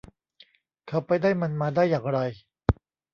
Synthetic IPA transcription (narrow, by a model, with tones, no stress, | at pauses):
kʰa˦˥˩wpa˧jdaː˥˩jma˧nmaː˧daː˥˩jːaː˨˩ŋɾa˧j